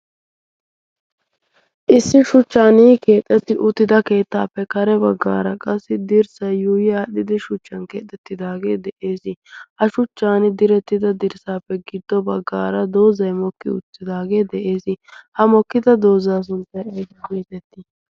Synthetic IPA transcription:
ʔɪsːɪʃʊt͡ʃːaːniːke̞ːt̪ʼːɛt̪ːɪʔʊt̪ːɪd̪ɐke̞ːt̪ːaːpːɛkɐɾɛbɐɡːa̰ːɾɐkʼɐsːɪd̪ɪɾsɐjːuːjɛɐɗɪd̪ɪʃʊt͡ʃːɐnke̞̰ːt̪ʼːɛt̪ːɪd̪aːɡeːd̪ɛʔeːsɪhɐʃʊt͡ʃːaːnɪd̪ɪɾɛt̪ːɪd̪ɐd̪ɪɾsaːpːɛɡɪd̪ːɔbɐɡːaːɾɐd̪o̞ːzɐjmɔkːɪʊ̰t͡sːɪd̪aːɡe̞ːd̪ɛʔe̞ːsɪhɐmɔkːɪd̪ɐd̪o̞ːzaːs̬ʊntːɐjɐjd̪ɐkeːt̪ɛt̪ːɪ

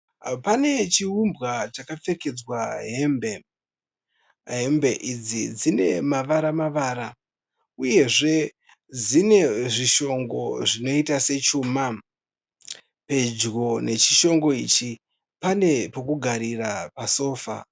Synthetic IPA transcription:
pane̞t͡ʃiumbɣat͡ʃakafe̞ke̞d͡zwaɦe̞mbe | ɦe̞mbe̞ʔid͡zid͡zine̞maʋaɾamaʋaːɾa | uje̞ʐe̞ | d͡zine̞ʐiʃo̞ŋɡo̞ʐino̞itase̞t͡ʃuma | pe̞d͡ʒɡo̞ne̞t͡ʃiʃo̞ŋɡo̞ḭt͡ʃi | pane̞pokuɡʱaɾirapaso̞ːfa̰

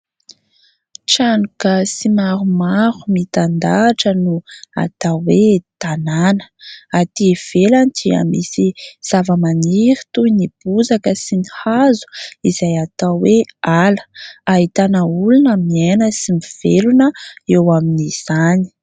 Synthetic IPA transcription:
ʈ͡ʂanukəsimaɾumaɾumit̪and̪aʈ͡ʂənua̰t̪awet̪ananə̥at̪iv̥elant̪ʰia̰mḭsiz̥avəmaniɾit̪uinib̥uzakəsinihazu̥izajat̪awealə̥aɦit̪anəulunəmienəsimiv̥elunəewaminiz̥ani̥

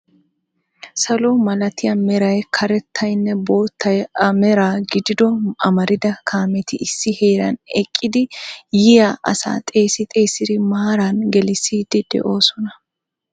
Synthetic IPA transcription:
sɐlɔmɐlɐt̪ɪjɐmɛɾɐjkʰɐɾɛt̪ʰːɐjnːɛbo̞ːt̪ːɐjɐmɛɾaːɡɪd̪ɪd̪ɔɐmɐɾɪd̪ɐkʰaːmɛt̪ɪɪsːɪhe̞ːɾɐnɛkʼːɪd̪ɪjɪjaʔɐ̰sa̰ːt̪ʼe̞ːsɪt̪ʼe̞ːsɪd̪ɪmaːɾanɡɛlɪsiːd̪ɪd̪̥ɛ̰ʔo̞ːsɔnɐ

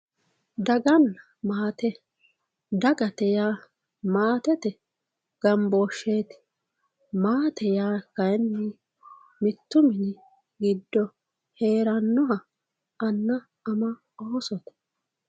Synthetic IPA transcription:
d̪ɐɡɐn | maːt̪ɛ | d̪ɐɡɐt̪ɛjaː | maːt̪ɛt̪ɛ | ɡ̥ɐmboːʃːeːt̪ | maːt̪ɛjaːkɐjnːɪ | mɪt̪ːʊmɪnɪ | ɡɪd̪ːɔ | he̞ːɾɐnːɔɦɐ | ɐnːɐː | mɐ | oːsɔt̪ɐ̥

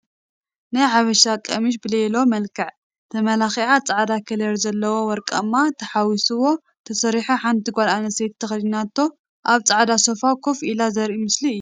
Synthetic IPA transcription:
najʕaβɐʃakʼɐmiʃ̬bɨlelo̞mɐlkʰɐʕ | t̪ʰɐmɐlaxiʕat͡sʼaʕd̪akʰɐlɐɾzɐlːɐwo̞wɔɾkʼɐ̰mːat̪ʰɐħawisɨwo̞ | t̪ʰɐsɐɾiħuħant̪ʰiɡʷalanɐset̪ʰːɐxlnat̪ʰːo̞ | ʔaβt͡sʼaʕd̪aso̞fakʰofʔilazɐɾʔimɨsliɨjːu

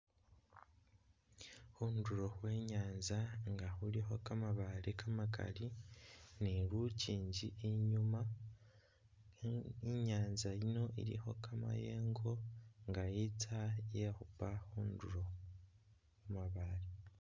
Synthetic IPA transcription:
huːnduɾo̞hwe̞ːɲaːnzaŋɡahuɾiɦo̞kamaβaɾekamaka̰li | niɾuciːɲɟiʔeɲuma | iɲaːnzajino̞ʔḭɾḭho̞kama̰jeːŋɡo̞ŋɡajitʰajehupahuːnduɾo̞ | umaβaɾe

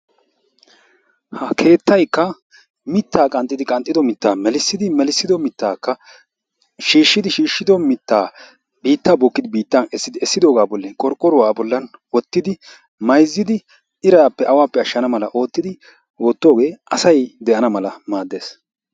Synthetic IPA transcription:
hɐkʰe̞ːt̪ʰːɐjkːɐ | mɪt̪ːaːkʼɐnt̪ʼːɪd̪ɪkʼɐnt̪ʼːɪd̪ɔmɪt̪ːaːmɛlɪsːɪd̪ɪmɛlɪsːɪd̪ɔmɪt̪ːaːkːɐ | ʃiːʃːɪd̪ɪʃiːʃːɪd̪ɔmɪt̪ːaː | biːt̪ːaːbɔkːɪd̪ɪbiːt̪ːɐnɛsːɪd̪ɪɛsːɪd̪o̞ːɡaːbɔlːɛkʼɔɾkʼːɔɾʊwaːbɔlːɐnwɔt̪ːɪd̪ɪ | mɐjzːɪd̪ɪ | ɪɾɐapːɛʔɐwaːpːɛɐʃːɐnɐmɐlɐʔo̞ːt̪ːɪd̪ɪ | woːt̪ːo̞ːɡe̞ːɐsɐjd̪ɛʔɐnɐmɐlɐmaːd̪ːe̞ːs

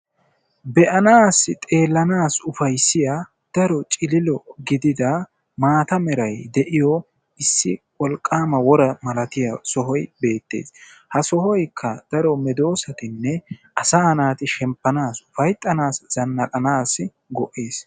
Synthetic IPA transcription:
bɛʔɐnaːsɪt̪ʼe̞ːlːɐnaːsʊfɐjsːɪja | d̪̥ɐɾɔt͡ʃʼɪlɪlɔɡɪd̪ɪd̪ɐ | maːt̪ɐmɛɾɐjd̪ɛʔɪjɔ | ɪsːɪwɔlkʼːaːmɐwɔɾɐmɐlɐt̪ɪjɐsɔɦɔjbe̞ːt̪ːe̞̰ːs | hɐsɔhɔjkʰːɐd̪̥ɐɾɔmɛd̪o̞ːsɐt̪ɪnːɛʔɐsahɐnaːt̪ɪʃɛmpːɐnaːsʊfɐjt̪ʼːɐnaːsz̥ɐnːɐkʼɐnaːsɪ | ɡɔʔeːs

